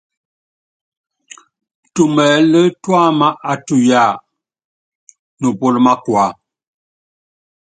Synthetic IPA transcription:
tu˦˨mɛ˨˦lə˦twa˦ma˦ʔa˨tu˦˨ja˦˨ | nu˨po˦lma˦kwa˨˦

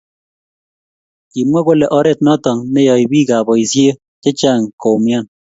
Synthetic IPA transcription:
ki˨mwa˦ko˦lɛ˨ʔɔ˦ɾɛ˦t̚nɔ˦tɔ˨ŋnɛ˦jɔ˨jbiː˦ka˨bɔ˨isje˦ | t͡ʃe˦t͡ʃa˦˨ŋko˨mja˦n

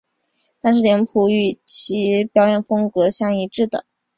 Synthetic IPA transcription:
t̪ʰa˥˧ʂɻ̩˥˩ljɛ˧˥npʰu˧˥y˥˩t͡ɕʰi˧˥pjɑ˥ʊjɛ˥˩nfɤ˥ŋkɤ˧˥ɕjɑ˥˩ŋi˧˥ʈ͡ʂɻ̩˥˩d̪ə̰˩

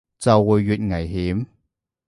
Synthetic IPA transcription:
t͡sɐ˨˧wːuː˨jːyː˨˩t̚ŋɐ˨˩jɦiː˨˥m

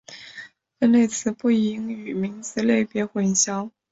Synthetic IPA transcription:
fə˥˧ne˥˩ɪt͡sʰɹ̩˧˥pu˥˩i˧˥ŋy˨˩mi˧˥ŋt͡sɹ̩˧˥le˥˩ɪpjɛ˧˥xwə˧˥˩nɕjɑ˥ʊ

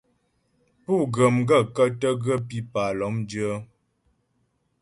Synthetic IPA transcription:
pu˦˨ɡə˨mɡə˦˨kə˦tə˦ɡə˦pi˦pa˨lɔ˨˦md͡ʒə˦

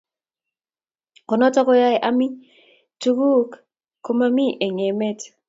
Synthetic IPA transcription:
kɔ˨nɔ˦tɔ˦kɔ˦ja˦jʔa˦mi˦ | tu˦ɡu˦k | kːo˦ma˦mi˦ʔe˨ŋɛ˨mɛ˦t

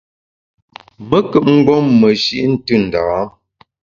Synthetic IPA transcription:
mə˦kə˨p̚ŋ̩˦ɡ͡bɔ˦mːə˨ʃi˦ʔn̩˦tɨ˦˨n̩˨da˨˦

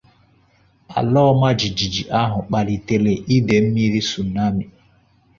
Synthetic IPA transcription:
a̰˨lɔː˦ma˦d͡ʒi˨d͡ʒi˨d͡ʒi˨ʔa˦ɦʊ˨k͡pa˨li˨te˨le˨ʔi˦de˨m̩˦mi˦ɾi˦su˨na˦mi˨

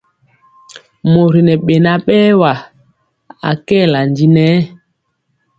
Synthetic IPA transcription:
mo˨ɾi˨nɛ˨ɓe˨na˨ɓɛː˦wa˨ | a̰˨kɛː˦˨la˨ndi˦nɛ˨˦

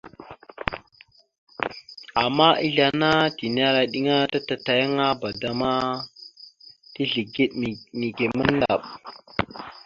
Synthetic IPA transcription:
a˨mːa˦i˦ɮa˨na˦ti˨n˦a˦ɾa˨ɗi˦ŋa˦ta˦ta˨ta˨ja˦ŋa˦ba˨da˨ma˦ | ti˦ɮi˨ɡi˦ɗmi˨ɡe˨mə˦n˦da̰˨ɓ

